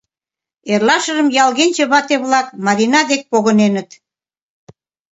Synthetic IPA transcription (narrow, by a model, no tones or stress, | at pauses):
erlɑʃərəmjɑlɣenʲt͡ɕeβɑt̪eβlɑkmɑɾinɑd̪ek̚poɣənenət̪